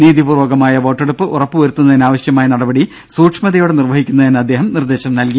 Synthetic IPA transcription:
niːðipuːrʋɐɣɐmaːjɐʋo̞ːʈːeɽupːɨʔurɐpːɨʋɐɾut̪ːunːɐðinaːʋɐɕjɐmaːjɐnɐɽɐbɐɽi | suːʈʂmɐðɐjoːɽenirʋɐɦikʲːunːɐðinɐd̪ːe̞ːɦɐmnird̪e̞ːɕɐmnɐlki

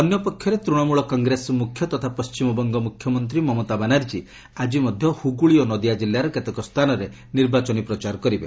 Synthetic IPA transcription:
ɔnjɔpɔkʰːjɔɾet̪ɾuɽ̃ɔmuɭɔkɔŋɡɾesɔmukʰːjɔt̪ɔt̪ʰapɔst͡ʃimɔbɔŋɡɔmukʰjɔmɔnt̪̬ɾimɔmɔt̪abanaɾd͡ʒi | ad͡ʒimɔd̪ʱjɔhuɡuɭionɔd̪ijad͡ʒilːaɾɔket̪ekɔst̪ʰanɔɾe | niɾbat͡ʃɔnipɾɔt͡ʃaɾɔkɔɾibḛ

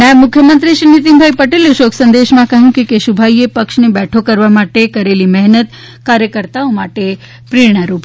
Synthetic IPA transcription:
mãmʊkʰːjəmənt̪ɾiʃinit̪̬imbʱaipəʈeleʃokʰsə̃nd̪eʃmãkəɦjũkekeʃubʱaiepəkʃnebɛʈʰokəɾʋamaʈekəɾelimɛɦnət̪ | kaɾjəkəɾt̪aomaʈe | pɾiɾɳ̃əɾuːp

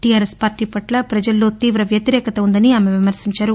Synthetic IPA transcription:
ʈijaːɾespaːɾʈiːpɐʈlɐpɾɐd͡ʒɐlːo̞ːt̪iːʋɾɐʋjɐt̪iɾɛːkɐt̪ɐund̪ɐniaːmeʋimɐɾsiɲt͡ʃaːɾu

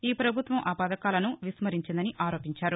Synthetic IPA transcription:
iːpɾɐbʱut̪ʋɐmʔaːpaːd̪ɐkaːlɐnuʋismɐɾiɲt͡ʃind̪ɐniʔaːɾo̞ːpiɲt͡ʃaːɾu

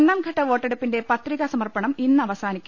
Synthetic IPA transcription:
nːɐmɡʱɐʈːɐʋo̞ːʈːeɽupːinde̞pɐt̪riɣɐsɐmɐrpɐɳɐminːɨɐʋɐsaːnikʲːu

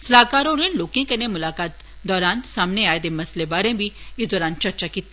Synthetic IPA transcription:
sɐlaːkaːɾõːɾẽloːkẽkɐnemʊlaːkaːt̪ | d̪ɔːɾaːnsaːmneaːed̪emɐslebaːɾẽbʱiɪsd̪ɔːɾaːnt͡ʃɐɾt͡ʃakiːt̪ː

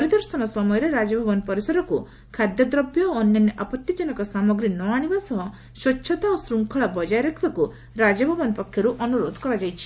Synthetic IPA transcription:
ɔɾid̪ɔɾsɔnɔsɔmɔjɔɾeɾad͡ʒɔbʱɔbɔnpɔɾisɔɾɔku | kʰad̪jɔd̪ɾɔbjɔːnjɔneʔapɔt̪jid͡ʒɔnɔkɔsamɔɡɾinɔaɽ̃ibasɔɦɔ | ʃɔtːʃʰɔt̪aosɾuŋkʰɔɭabɔd͡ʒajɾekʰiɭɔku | ɾad͡ʒɔbʱɔbɔnpɔkʰjɔɾuʔɔnuɾod̪ʱkɔɾad͡ʒajt͡ʃʰi̥

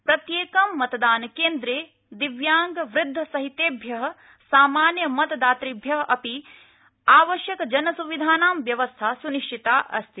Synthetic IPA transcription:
pɾɐt̪jeːkɐmːɐt̪d̪aːnɐkeːnd̪ɾeː | d̪iʋjaːŋɡɐʋɾɪd̪ʱːɐsɐɦit̪eːbʱjɐɦɐ̆ | saːmaːnjɐmɐt̪d̪aːt̪ɾibʱjɐɦɐʔɐpi | aːʋɐʃjɐkɐd͡ʒɐnɐsuʋid̪ʱaːnaːmʋjɐʋɐst̪ʰaːsuniʂʈʰit̪aːʔɐ̰st̪ʰi

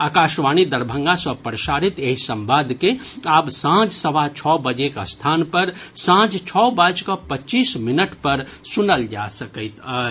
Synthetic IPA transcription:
akaʃʋanid̪əɾbʱə̃ŋɡasəpɾəsaɾit̪eɦisə̃mʋad̪ʱkeabsãd͡ʒsəʋat͡ʃʰɔbəd͡ʒekəst̪ʰanpəɾsãd͡ʒt͡ʃʰɔbad͡ʒkɔpətːt͡ʃisminəʈpəɾsunəld͡ʒa̰səkəɪt̪ə

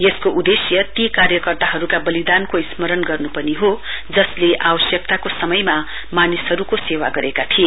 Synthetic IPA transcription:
jeskoʔud̪esjʌt̪ikarjʌkʌrt̪aɦʌɾukabʌlid̪ankoismʌɾʌnɡʌrnupʌniɦo | d͡zʌsleʔawʌsjʌk̚t̪akosʌmʌjma | manisɦʌɾukosewa̰ɡʌɾekat̪ʰie

